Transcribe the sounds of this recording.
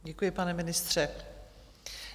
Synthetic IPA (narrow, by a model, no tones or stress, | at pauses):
ɟɛkujɪpanɛmɪnɪst̪r̝̥ɛ